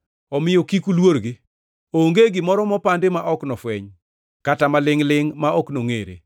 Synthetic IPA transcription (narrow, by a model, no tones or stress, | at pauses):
ɔmɪjokikulwoɾɡɪ | oŋɡeɡɪmɔɾɔmɔpandemaʔɔknɔfwɛɲ | katamalɪŋlɪŋmaɔknoŋḛɾḛ